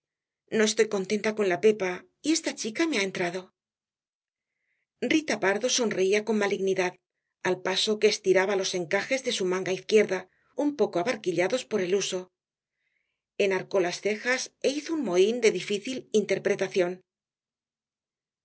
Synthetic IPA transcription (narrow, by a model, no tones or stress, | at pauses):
no̞est̪o̞jko̞nt̪e̞nt̪ako̞nlape̞pa | ie̞st̪at͡ʃikame̞ae̞nt̪ɾaðo̞ | rit̪apaɾðo̞so̞nre̞iako̞nmaliɣniðað | alpaso̞ke̞ːst̪iɾaβalo̞se̞ŋkaxe̞zðe̞sumãŋɡaiθkje̞ɾða | umpo̞koaβaɾkiʎaðo̞spo̞ɾe̞luso̞ | e̞naɾko̞lasθe̞xase̞iθounmo̞ind̪e̞ðifiθilint̪e̞ɾpɾe̞t̪aθjo̞n